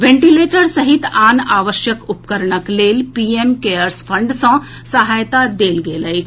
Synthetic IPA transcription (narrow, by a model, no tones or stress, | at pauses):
ʋẽɳʈileʈəɾsəɦit̪anaʋəʃjəkupkəɾɳəklelpiemkeəɾsfʰəɳɖsɔ̃ | səɦajt̪ad̪eːlɡeləj